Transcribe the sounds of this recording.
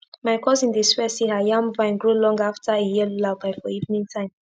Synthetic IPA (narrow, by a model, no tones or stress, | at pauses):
maɪkʰɔzĩndiswɛsehajãmvãɪ̃nɡɹulɔ̃ŋɡaftʰaejɛllabaɪfɔivnĩŋtʰãɪ̃m